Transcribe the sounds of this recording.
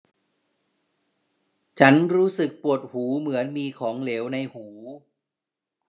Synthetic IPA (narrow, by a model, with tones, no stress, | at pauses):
t͡ɕʰa˦˥nɾuː˦˥sɯ˨˩k̚pu˨˩ət̪̚huː˩˦mɯ˩˦ənmiː˧kʰɔː˩˦ŋleː˩˦wna˧jhuː˩˦